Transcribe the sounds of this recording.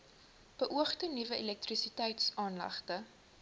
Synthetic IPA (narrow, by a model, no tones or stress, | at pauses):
b̥əʔuəχtənivəʔilɛk̚trisitɛjtsɑːnlɐ̰χtə